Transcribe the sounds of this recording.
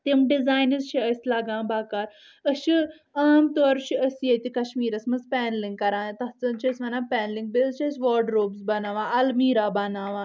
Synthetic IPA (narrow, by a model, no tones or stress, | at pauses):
t̪emɖizaːjnizʃiəsʲlaːɡãːbaːkaːɾ | əʃi | aːmt̪ɔːɾʃiəsjet̪ikɐʃmiːɾɐsmɐzpɛːnliŋɡkɐɾãːt̪ɐt͡sɐnt͡ʃʰiɐsʲʋɐnapɛːnliŋɡ̚bezʃiɐsʋɔːɖɾoːbsbɐnaːʋãɐlmiːɾabɐnaːʋãː